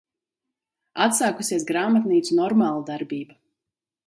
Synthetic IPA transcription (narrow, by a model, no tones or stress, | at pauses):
at̪saːkusiɛsɡɾaːmat̪niːt̪sunɔɾmaːlˠad̪aɾbiːba